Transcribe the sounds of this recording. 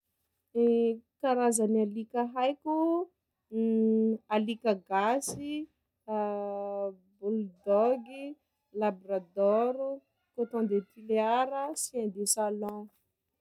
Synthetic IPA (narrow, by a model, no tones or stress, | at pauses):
kaɾazanialikaɦajku | alikaɡasi | buld̪ɔɡi | labrad̪ɔɾu | kot̪ɔ̃d̪et̪ileaɾəsiãnd̪esalɔ̃